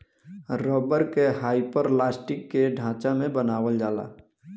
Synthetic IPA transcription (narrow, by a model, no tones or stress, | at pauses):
ɾɔːbəɾkeɦaːipəɾlaːsʈɪkːeɖʱãːt͡ʃamẽbənaːwəld͡ʒaːla̰ː